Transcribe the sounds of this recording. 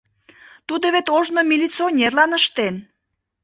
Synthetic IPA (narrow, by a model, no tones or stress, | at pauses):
t̪ud̪əβet̪oʒnomilʲit͡sionʲerlɑnəʃt̪en